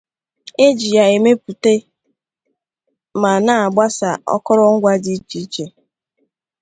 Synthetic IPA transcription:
e˦d͡ʒi˨ja˨e˨me˦pu˨te˦ | ma˨na˦˨a˨ɡ͡ba˦sa˨ɔ̰˦kɔ˦ɾɔ˦ŋ̩˦ɡʷa˦di˦t͡ʃi˨˦t͡ʃe˨

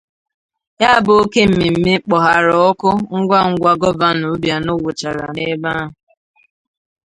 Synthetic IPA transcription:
ja˦˨bʊ˨o˦ke˦m̩˦mi˨m̩˦me˦k͡pɔ˨ɦa˨ɾɔ˨ɔ˦kʊ˦ŋ̩˦ɡʷa˦ŋ̩˦ɡʷa˦ɡɔ˦va˦nu˨˦bja˨no˦wʊ˨t͡ʃa˨ɾa̰˨ne˦ba˦ɦʊ˨

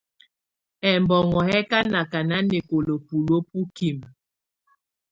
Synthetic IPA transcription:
ɛ˨mbɔ˨ŋɔ˨hɛ˦ka˦na˨ka˨na˦ne˨ko˨lo˨pu˨lo˦p̚u˦ki˨m

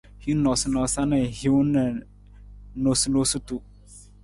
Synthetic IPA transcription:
hi˦nɔ˨snɔ˨sa˦nə˨hi˦wnə˨ | no˨su˦lo˦su˦tu˦

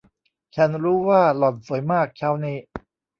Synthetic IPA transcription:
t͡ɕʰa˦˥nɾuː˦˥waː˥˩lɔ˨˩n̚su˨˩˦jmaː˥˩k̚t͡ɕʰa˦˥wniː˦˥˩

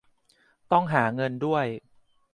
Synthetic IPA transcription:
t̪ɔ˥˩ŋɦaː˩˦ŋɤ˧ndu˥˩əj

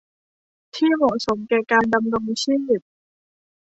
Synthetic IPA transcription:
t̪ʰiː˥˩mɔ˨˩so˩˦mkɛː˨˩kaː˧nda˧mɾo˧ŋsiː˥˩wi˨˩t̪̚

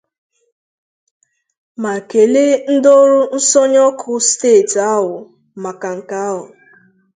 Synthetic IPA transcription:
ma˨ke˨le˦n̩˦do˦ɾʊ˦n̩˦sɔ˦ɲɔ˦kʰʊ˦steː˦˨ta˦ɦʊ˨ | ma˨ka˨ŋ̩˨ka˦ɦʊ˨

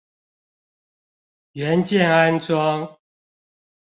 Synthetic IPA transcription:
ɥɛ˨˦nt͡ɕjɛ˥˨na˦nt͡swɑ˦ŋ

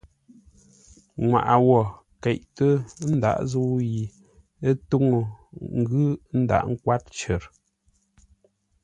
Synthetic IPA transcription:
ŋwa̰˨ʔa˨wɔ˨ | kɛ˨ʔtə˦n̩˦da̰˨ʔzu˦ji˨ | ə˦to˦ŋo˨ŋ̩˦ɡʉ˦n̩˦da̰˨ʔŋ̩˦kwa˦t̚t͡ʃə˨ɾ

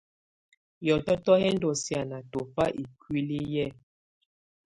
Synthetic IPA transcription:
jɔ˨tɔ˦tɔ˦hɛ˦n˦dɔ˨sja˨na˨to˨pa˦ʔi˨kwi˦li˦jɛ˦˨

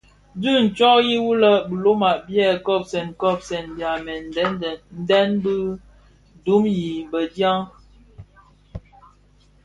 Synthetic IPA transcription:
dʉ˦˨n̩˨t͡ʃɔ˦kji˦wu˦lə˦bu˨lo˦ma˨ʔbjɛ˦˨kɔ˦˨p̚sɛ˨nkɔ˦˨p̚sɛ˨nbja˨mɛ˨˦˨n̩˦dɛ˦nbɨ˦ | du˨˦mji˨bə˨dja˦ŋ

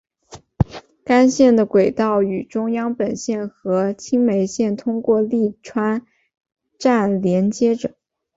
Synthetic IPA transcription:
ka˥nɕjɛ˥˩nd̪ə˩kwe˨˩ɪt̪ɑ˥˩ʊy˨˩ʈ͡ʂʊ˥ŋjɑ˥ŋpə˨˩nɕjɛ˥˩nxɤ˧˥t͡ɕʰi˥ŋme˧˥ɪɕjɛ˥˩nt̪ʰʊ˥ŋkwɔ˥˧li˥˩ʈ͡ʂʰwa˥n | ʈ͡ʂa˥˩nljɛ˧˥nt͡ɕjɛ˥ʈ͡ʂɤ˨˩˦

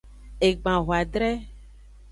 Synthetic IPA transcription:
e˨ɡ͡bã˨ɦo˨a˨ɖɾɛ˦

